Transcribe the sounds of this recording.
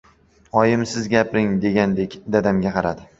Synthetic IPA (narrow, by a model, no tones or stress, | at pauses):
ɒjɪmsɪzɡʲapɾɪŋd̪e̞ɡʲand̪ekʲd̪ad̪amɡʲaqʰɑɾad̪ɪ